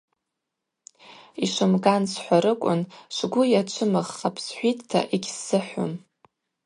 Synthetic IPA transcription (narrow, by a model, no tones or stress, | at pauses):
iʂʷɨmɡansʷħʷaɾɨkʷʼʊ̰nʃʷɡʷʊjat͡ʃʷʰɨmɨʁːapʰsħʷitʰʼtʰa̰ʔiɡʲsːɨħʷo̰m